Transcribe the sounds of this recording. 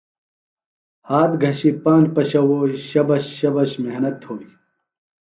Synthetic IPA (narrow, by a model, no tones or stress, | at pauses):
haːt̪ɡʱɐɕipaːnd͡ʑpɐɕɐwoːiɕɐbɐɕɕɐbɐɕmeɦnɐt̪hoːi